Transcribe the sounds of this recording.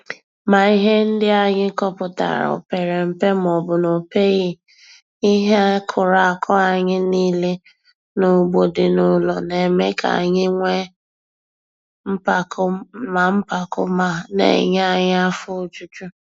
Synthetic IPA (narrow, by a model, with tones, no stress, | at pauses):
ma˨i˦ɦe˦n̩˦dɪ˦a˨ɲɪ˦kɔ˦pʊ˨ta̰˨ɾa̰˨o̰˨pe˨ɾe˨m̩˨pe˦m˨ɔ˨bʊ˨no˨pe˦ɣi˦ | i˦ɦe˦kʰʊ˨ɾa˨a˨kʰɔ˦a˨ɲɪ˦niː˦le˦ | no˨ɡ͡bo˨dɪ˨nʊ˨lɔ˨ne˨me˦ka̰˨ɲɪ˦ŋʷe˦ | m̩˦pa˨kma˨m̩˦pa˨kʊ˦ma˨nḛ˨ɲ˦a˦ɲɪ˦a˦fʊ˦o˦t͡ʃu˦t͡ʃu˦